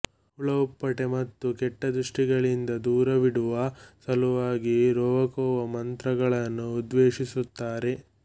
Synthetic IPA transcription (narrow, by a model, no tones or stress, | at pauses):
uɭɐpːɐʈe̞mɐt̪ːukɛʈːɐd̪ɾuʂʈiɡɐɭind̪ɐd̪uːɾɐʋiɽuʋɐsɐluʋaːɡiɾɔːʋɐkɔːʋɐmɐnt̪ɾɐɡɐɭɐnːuːd̪ʋeːʂisut̪ːaːɾe̞